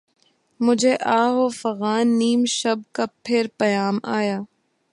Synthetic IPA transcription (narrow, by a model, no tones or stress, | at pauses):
mʊd͡ʒʱeʔaːɦoːfɐɣaːnːiːmʃɐb̚kapʰɪɾpɐjaːmaːjaː